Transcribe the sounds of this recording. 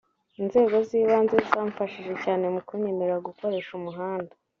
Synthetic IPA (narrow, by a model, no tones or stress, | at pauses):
inze̞ːɡo̞ziːβaːnzeisaːɱfaʃiʒe̞caːne̞mukuɲemeɾaɡuko̞ɾe̞ːʃumuɦaːnda